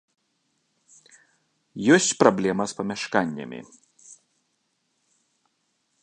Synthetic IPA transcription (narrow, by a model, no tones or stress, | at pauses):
jɔsʲt͡sʲpɾɔblʲɛmɐspɐmʲɐʃkanʲːɛ̰mʲḭ